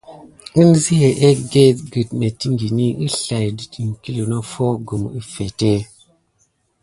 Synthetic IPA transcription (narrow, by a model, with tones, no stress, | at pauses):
ɨ˦nzi˦he˨ʔe˦ɡe˦tɡɨ˨tme˨ti˦ŋɡi˨ni˦ʔɨ˦ɬa˨jdɨ˨ti˨ŋ˨ki˦li˨no˦fo˦ɡu˨mɨ˦fe˨te˦